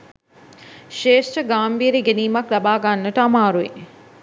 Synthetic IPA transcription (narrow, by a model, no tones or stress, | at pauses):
ʃeːʃʈəɡaːmbiːɾeɡeniːmaklɐbaːɡanːəʈəamaːɾuḭ